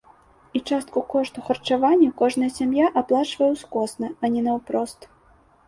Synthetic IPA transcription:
it͡ʂast̪̚kukɔʂt̪uxɐrt͡ʂavanʲːɐkɔʐnɐjɐsʲamjaʔaplˠat͡ʂvɐjɛwskɔsnɐɐnʲɛnɐwpɾɔst̪

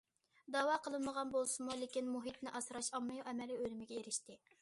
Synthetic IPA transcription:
d̪ɑːwɑqəlˠɨnməʁɑnbolˠsɨmulekʲinmuɦit̪̚nɪʔɑsɾɑʃɑmːɨjʔɛmɛliølymɪɡʲɛeɾɪʃt̪ɪ

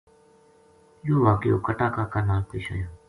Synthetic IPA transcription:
joːʋaːkɪjo̰ːkəʈaːkaːkaːnaːlt̪ʰiːʃa̰ːjoː

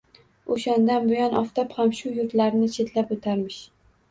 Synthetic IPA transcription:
oʃand̪anbʊjɒnʔɒft̪aphamʃʊjʊɾt̪laɾnɪt͡ʃʰe̞t̪ʰlapot̪ʰaɾmɪʃ

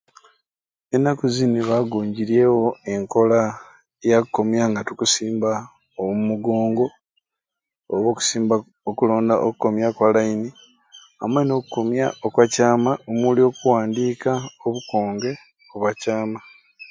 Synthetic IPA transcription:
enːakuziniβaɡuːɲɟiɾe̞wo̞e̞ŋko̞la | jakukːo̞mjaŋɡatukusiːmba | owumuɡoːŋɡo̞ | oβoku̥siːm | okulo̞ːndaʔokuko̞mjakwalaini | amweno̞ːkukomjaokwacaːmaomulio̞ːkuwaːndiːkaoβuko̞ːŋɡe̞ | oβwacaːma

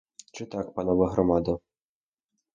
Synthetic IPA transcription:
t͡ʃɪt̪ɑkpɑnɔʋɐɦɾɔmɑd̪ɐ

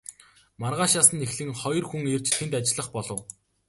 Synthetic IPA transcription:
marʁaːʃaːsə̆nexɮɘ̆ŋχɔjɞ̆rxuŋer̥t͡ɕt̪ʰent̪at͡ɕɪ̆ɮə̆χpɔɮɞ̆w

